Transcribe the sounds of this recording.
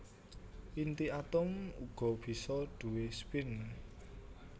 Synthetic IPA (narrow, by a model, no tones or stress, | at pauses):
pint̪iat̪ʊmṵɡ̥ɔ̤b̥i̤sɔɖ̪̥ṳwespɪn